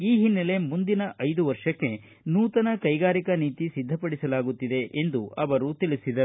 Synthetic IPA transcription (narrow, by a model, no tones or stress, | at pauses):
iːɦinːele̞mund̪inɐʔɐjd̪uʋɐɾʂɐkːe̞ | nuːt̪ɐnɐkɐjɡaːɾikɐniːt̪isid̪ʱːɐpɐɽisɐlaːɡut̪ːid̪e̞ʔend̪uʔɐʋɐɾut̪ilisid̪ɐ